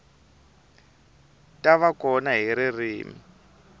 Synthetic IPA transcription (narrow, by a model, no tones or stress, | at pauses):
tʼaβakɔnaɦiɾiriːmi